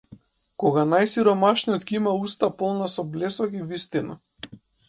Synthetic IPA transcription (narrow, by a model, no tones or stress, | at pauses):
kɔɡanajsiɾɔmaʃnijɔt̪kʲiimaust̪apɔlˠnasɔblɛsɔkivist̪ina̰